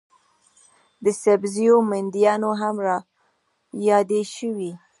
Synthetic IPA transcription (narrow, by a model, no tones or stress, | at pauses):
d̪əsabzijomand̪ijɑnoɦamɾɑ | jɑd̪eʃəwi